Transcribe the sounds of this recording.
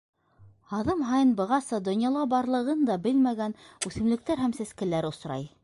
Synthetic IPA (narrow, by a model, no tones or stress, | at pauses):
hɑðɤmɦɑjɤnbɤ̆ʁɑsɤd̪ŏnjɑlˠɑbɑɾlˠɤ̆ʁɤnd̪ɑbɘlmæɡænʉθɘ̆mlɘ̆k̚t̪æɾɦæmsæskɘ̆læɾŏsɾɑ̰j